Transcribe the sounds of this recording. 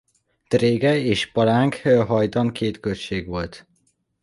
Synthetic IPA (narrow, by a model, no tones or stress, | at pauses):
t̪reːɡɛeːʃpɒɾaːŋkhøɦɒjd̪ɒŋkʰeːt̪kølʃeːɡʋo̞lt̪